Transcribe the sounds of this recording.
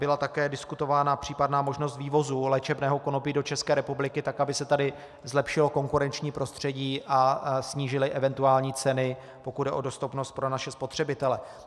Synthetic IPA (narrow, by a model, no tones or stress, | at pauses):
bɪlat̪akɛːdɪskut̪o̞vaːnapr̝̥iːpadnaːmo̞ʒno̞st̪viːvo̞zuːlɛːt͡ʃɛbnɛːɦo̞ko̞nopiːdo̞t͡ʃɛskɛːɾɛpublɪkɪt̪akabɪsɛt̪adɪ | zlɛpʃɪlo̞ko̞ŋkuɾɛnt͡ʃɲiːpɾo̞st̪r̝̥ɛɟiːʔasɲiːʒɪlɪʔɛvɛnt̪uaːlɲiːt͡sɛnɪ | po̞kud̪dɛʔo̞do̞st̪upno̞st̪̚pɾo̞naʃɛspo̞t̪r̥ɛbɪt̪ɛlɛ